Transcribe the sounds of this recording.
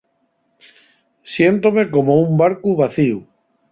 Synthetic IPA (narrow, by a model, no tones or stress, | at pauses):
sjent̪omekomoumbaɾkuβaθiu